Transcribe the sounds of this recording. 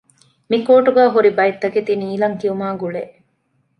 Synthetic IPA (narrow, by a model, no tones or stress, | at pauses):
mikoːʈuɡæːɦuɾibɐjet̪ːɐket̪iniːlɐŋkiumaːɡuɭeʔ